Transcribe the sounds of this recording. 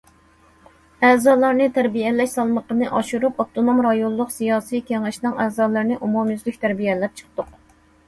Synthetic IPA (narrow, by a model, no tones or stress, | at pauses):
ɛzɑːlˠɑɾnɨt̪ʰæɾbijɛlːɛʃsɑlˠməqənɨʔɑʃuɾupɑt̪ʰonomɾɑjonːˠʊqsijɑːsikʲæŋɪʃnɨŋɛːzɑːlˠɨɾnɨʔumumjyzlykʲt̪ʰæɾbijɛlɛp̚t͡ʃʰə̥q̚ʰt̪ʊq